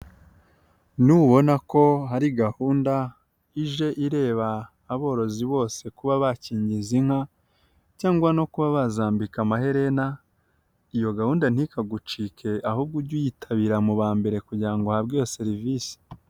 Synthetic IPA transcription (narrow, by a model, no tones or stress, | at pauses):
nuβo̞nako̞ɦaɾiɡahuːnda | iʒe̞ʔiɾe̞ːβaː | βo̞ːɾo̞ziβo̞ːse̞kuβaβaciːɲɟiziŋ̥ha | caːŋɡwano̞kuβaβazaːmbikamaɦe̞ɾe̞na | ijo̞ɡahuːndan̥hikaɡut͡ʃiːkʰe̞ʔahub̚ɡuɾɟujitʰaβiɾamuβaːmbe̞ɾe̞kuɟiɾaŋɡo̞habɡojose̞ɾivisi̥